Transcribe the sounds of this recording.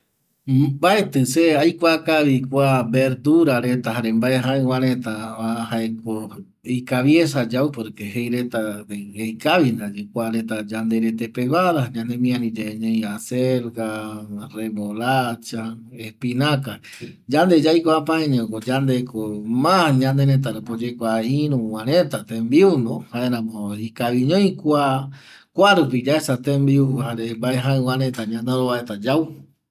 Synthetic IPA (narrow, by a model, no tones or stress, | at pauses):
baet̪ɨseajkʷakaβikʷabeɾd̪uɾaɾet̪aɦaɾembaeɦãewãɾet̪aahaeko | ikaβjesad͡ʒawpoɾkeɦejɾe̞t̪aɾeɡejkaβind̪ad͡ʒikʷaɾet̪ad͡ʒand̪eɾet̪̬epeβaɾaɲãnd̪emĩãnĩd͡ʒeɲẽj̃aseɾɡareβoɾat͡ʃaehpinaka | d͡ʒand̪ed͡ʒajkʷapãẽɲẽõkod͡ʒand̪ekʰomãɲãnd̪eɾet̪̬aɾepod͡ʒekʷaiɾũw̃ãɾẽt̪at̪ẽmbiund̪ohaeɾãmoikaβiɲõj̃kʷa | kʷaɾupid͡ʒaesat̪ẽmbiuhaɾembaeɦãɨ̃w̃ãɾẽt̪aɲãnd̪eɾoβaet̪ad͡ʒaw